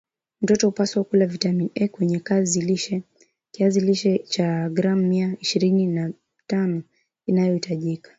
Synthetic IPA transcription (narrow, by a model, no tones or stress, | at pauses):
m̩tɔtɔhupaswakulavitaminʔɛkwɛɲɛkaziliʃɛ | kiaziliʃɛt͡ʃaɡɾam̩mːiaiʃiɾinina | tanɔ | inajɔhitaʄikḁ